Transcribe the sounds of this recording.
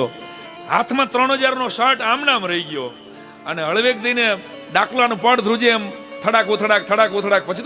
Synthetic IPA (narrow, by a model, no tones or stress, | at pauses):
o | ɦa̰t̪ʰmãt̪ɾəɳɦəd͡ʒaɾnoʃaɾʈamnamɾəiɡjo | əneɦəɭʋek̚d̪ine | ɖaklanũpəɽd̪ʱɾud͡ʒemt̪ʰəɽakʋut̪ʰəɽak̚t̪ʰəɽakʋut̪ʰəɽak̚pət͡ʃʰit̪